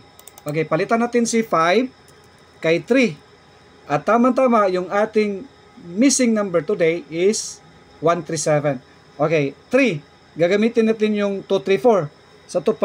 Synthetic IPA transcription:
ʔokejpɐlɪt̪anaːt̪ɪnsɪfajv | kɐjt̪ɾi | ʔɐt̪ːaːmant̪̬aːmaʔjʊŋaːt̪ɪŋ | misɪŋnɐ̃mbɛɹt̪ʊd̪ɛjɪs | want̪ɾisɛvɛn | ʔokɛjt̪ɾi | ɡaɡɐmiːt̪ɪnːaːt̪̬ɪnjʊŋt̪ut̪ɾifoɹ | sɐt̪ʊpa

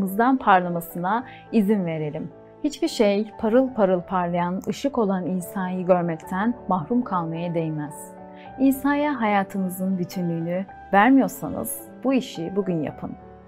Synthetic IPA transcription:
mɯzd̪anpʰaɾlˠamasɯna | izinve̞ɾe̞lʲim | hit͡ʃbiɾʃejpʰaɾɯlˠpʰaɾɯlˠpʰaɾlˠajanɯʃɯko̞lˠaniːsaːjiɟø̞ɾmɛct̪ʰænmahɾumkʰalˠmajad̪ejimæz̥ | iːsaːjaɦajaːt̪ʰɯmɯzɯnbyt̪ʰynlʲyːny | væɾmijo̞ɾsa̰nɯ̰z̥ | b̥uiʃibuɟynja̰pʰɯn

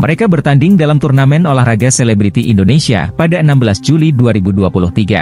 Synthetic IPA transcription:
mə̰ɾekabərt̪andɪŋdalamt̪urnamɛnolahraɡaselɛbɾit̪iʔḭndonesia̰padaənambəlasd͡ʒuliduaɾibuduapulʊht̪iɡa̰

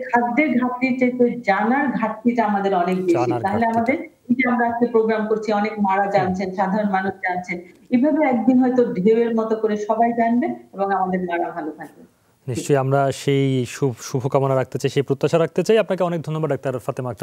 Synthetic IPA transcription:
kʰad̪ːeɾɡʱat̪ːiʈetod͡ʑanaɾɡʱat̪ːiʈaamad̪eɾɔnek̚beʃiaɦoleamad̪eɾ | id͡ʑiamɾaat͡ɕkepɾoɡɾamkoɾt͡ɕʰiɔnekmaɽad͡ʑant͡ɕʰenʃad̪ʱaɾonmanuʃd͡ʑant͡ɕʰenebʱabeɛk̚d̪inɦɔet̪oɖʱeoeɾmɔt̪okoɾeʃɔbajd͡ʑanbeeboŋamad̪eɾmaɽaɦalot̪ʰak̚be | niʃt͡ɕojamɾaʃejʃuʃubʱokamonaɾak̚t̪et͡ɕajʃejpɾot̪ːaʃaɾak̚t̪et͡ɕajapnakeɔnek̚d̪ʱonːobaɖɔk̚t̪aɾfat̪imak̚a

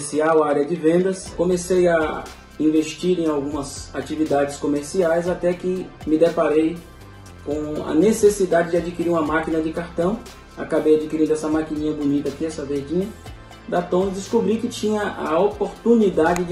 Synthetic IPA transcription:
siawaɾjɐd͡ʒɪvẽnd̪ɐskõmeseja | ĩveʃt͡ʃiɾẽj̃awɡũmɐzat͡ʃivid̪ad͡ʒɪskõmeɾsiajzat̪ɛkɪmɪd̪epaɾej | kõɐ̰nesesid̪ad͡ʒɪd͡ʒɪad͡ʒikiɾiɾũmɐmakinɐd͡ʒɪkaɾt̪ɐ̃w̃ | a̰kabejad͡ʒikiɾĩd̪ʊɛsɐmakinĩɲɐbonit̪akiɛsɐveɾd͡ʒĩɲɐ | d̪at̪õw̃d̪ɪskubɾikɪt͡ʃĩɲɐʔa̰opoɾt̪ũnid̪ad͡ʒɪ

